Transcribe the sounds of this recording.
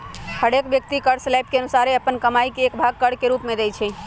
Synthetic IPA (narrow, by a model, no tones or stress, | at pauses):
həɽekbjək̚t̪ikəɽslajp̚keənusaɾeəpənkəmajkeːkbʱaɡ̚kəɽkeɾupmed̪ɛjt͡ʃʰɛ